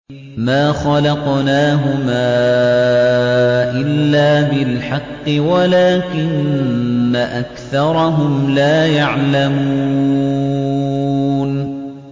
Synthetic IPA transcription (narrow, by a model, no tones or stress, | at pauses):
maːxɑlɑqnaːɦʊmaː | ʔɪlːaːbɪlħɑqːɨwalaːkɪnː | aʔakθɑɾˤɑɦʊmlaːjaʕlamuuː | n